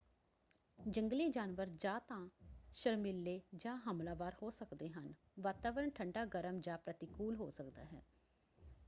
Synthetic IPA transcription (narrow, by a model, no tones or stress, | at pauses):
d͡ʒəŋɡliːd͡ʒaːnʋəɾd͡ʒaːt̪ãːʃəɾmɪlːeːd͡ʒãːɦəmlaːʋaːɾhoːsəkd̪eːɦən | ʋaːt̪aːʋəɾəɳʈʰəɳɖaːɡəɾəmd͡ʒãːpɾət̪ɪkuːlɦoːsəkd̪a̰ːɦɛ̰ː